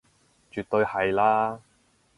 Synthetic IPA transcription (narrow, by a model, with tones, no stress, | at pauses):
t͡ʃyː˨t̪ːɵ˧ɥhɐ˨jlaː˥